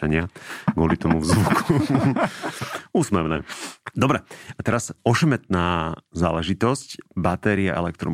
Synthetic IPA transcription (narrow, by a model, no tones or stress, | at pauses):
aɲɪaɡʋɔlit̪ɔmuvzʋukʰu | uːsmɛʋnɛ̰ːd̪ɔbɾɛat̪ɛɾasɔʃɛmɛt̪̚naːza̰ːlɛʒit̪ɔscbat̪ɛɾia̰ʔɛ̰lɛk̚t̪ɾɔ̰